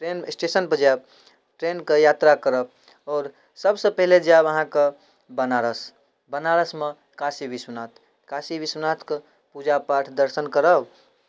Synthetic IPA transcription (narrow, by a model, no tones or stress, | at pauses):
ʈɾensʈesənpəd͡ʒab̚ | ʈɾenkejat̪ɾakəɾəb̚ | ɔːɾ | səbsəpəɦiled͡ʒabəɦãke | bənaɾəs | bənaɾəsme | kasibiswnat̪ʰ | kasibiswənat̪ʰke | pud͡ʒapaʈʰd̪əɾsənkəɾəb